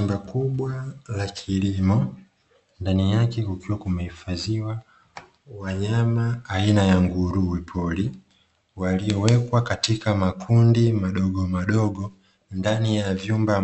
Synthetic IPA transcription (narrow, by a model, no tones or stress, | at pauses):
umbakuɓwalakʰilimɔ | ndanijakɛukiwakumɛhifaziwa | waɲamaːinajaŋɡuɾuwipʰɔli | waliɔwɛkwakatikamakʰundimaɗɔɡɔmaɗɔɡɔ | ndanijavjumba